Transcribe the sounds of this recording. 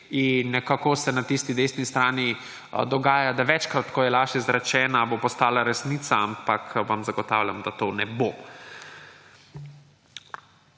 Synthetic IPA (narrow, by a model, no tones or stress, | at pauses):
inːɛkakosɛnat̪ist̪id̪eːsnist̪ɾaːni | d̪ɔɡaːjad̪aʋɛt͡ʃkɾat̪kɔjɛlaːʒɛzɾɛt͡ʃɛːnabopɔst̪aːlaɾɛsniːt̪saampakʰʋamzaɡɔt̪awlʲjamd̪at̪oːnɛboː